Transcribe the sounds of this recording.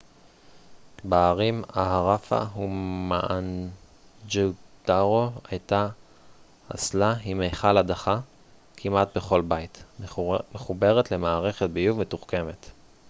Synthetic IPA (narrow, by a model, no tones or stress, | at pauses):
baːʁimaɦaʁafa̰ɦumaʔan | d͡ʒutaʁoajta | a̰slaimejχaladaχa | kʰimat̚be̞χo̞lbajit | meχube̞ʁetle̞maːʁe̞χet̚bijuvmetuχke̞me̞t